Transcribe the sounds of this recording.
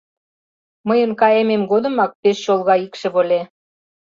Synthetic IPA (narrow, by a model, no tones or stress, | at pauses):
məjənkɑjememɡod̪ə̆mɑk̚peʃɕolˠɣɑikʃĕβolʲe